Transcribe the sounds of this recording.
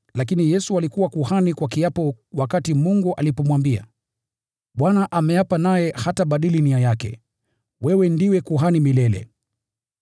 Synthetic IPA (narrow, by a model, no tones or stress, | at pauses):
lakinijɛsualikuwakuhanikwakijapɔwakatimuŋɡuʔalipɔmwambia̰ | ɓwanaʔamɛjapanajɛhataɓaɗiliniajakɛ̰ | wɛwɛndiwɛkuɦanimilɛlɛ̰